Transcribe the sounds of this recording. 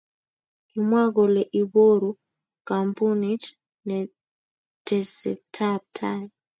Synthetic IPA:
ki˨mwa˦ɣɔ˨lɛ˨ʔi˨βo˦ɾu˦ | ka˨mpu˦nit | nɛ | tʰɛ˨sɛ̰˨tʰab̚tʰaj

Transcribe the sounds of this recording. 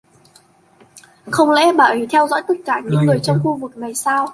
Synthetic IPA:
xə˧wŋ͡mlɛ̰˧˥ɓəː˧˨˩t̪ʰɛ˧wzɔ̰ː˧˥jt̪ə˦˥t̚kaː˧˩ɲɨ̰˧˥ŋlɨ˨˩əjt͡ɕɔ˧wŋ͡mxu˧vɨ˨˩k̚ŋa˨˩jsaː˧w

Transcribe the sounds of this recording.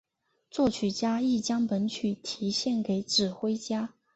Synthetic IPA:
t͡swɔ˥˩t͡ɕʰy˨˩t͡ɕja˥i˥˩t͡ɕjɑ˥ŋpə˧˥nt͡ɕʰy˨˩t̪ʰi˧˥ɕjɛ˥˩nke˧˥ɪʈ͡ʂɻ̩˨˩xwe˥ɪt͡ɕja˥

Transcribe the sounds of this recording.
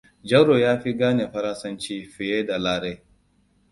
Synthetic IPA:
d͡ʒɐ˦ɾo˨jaː˦ɸi˦ɡaː˦ne˨ɸɐ˦ɾɐ˦nsɐ˦nt͡ʃiː˦ɸɪ˨jeː˦da˨laː˦ɾe˦

